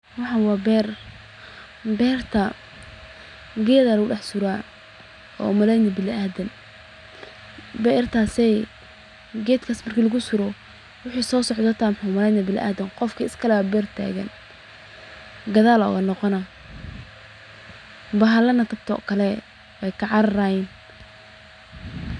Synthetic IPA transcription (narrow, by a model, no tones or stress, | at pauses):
wɑħɑwɑːbɛːr | bɛːrt̪ʰɐ | ɡɛːðɐlɐɣʊɖɑħsʊɾaː | ɔ̰ːmɐlɛjnɐbɪlaːd̪ɐn | bɛrt̪ʰaːsɛ | ɡɛːd̪kʰaːsmɐrkʰiːlɐɣʊsʊɾɔ | wʊħisɔːsɔʕd̪ɔt̪ʰaːmħʊmɐlɛjnɐbɪlʔa̰ːðɐnqɔfkʰiɪskʰɐlɛabɛrt̪ʰa̰ːɣɐ̰n | ɡɐðaːlɔ̰ːɣɐnɔqɔnɐ | bɐɦɐlɐnɐt̪ʰɐb̚t̪ʰɔɔ̰ːkʰɐlɛ | wɛjkʰɐʕɑɾɐɾaːjɛːn